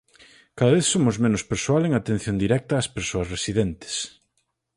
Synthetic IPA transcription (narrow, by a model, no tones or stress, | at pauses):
kaðaβeθsomʊzmẽnʊspeɾsoaleŋat̪ẽn̟θjond̪iɾɛk̚t̪aːspeɾsoɐsresiðent̪e̥s